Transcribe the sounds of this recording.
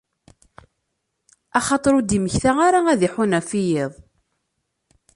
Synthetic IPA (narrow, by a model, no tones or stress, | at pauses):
ɑχɑt̪ˤɾud̪iməçθæaɾaæðiħunæfijeðˤ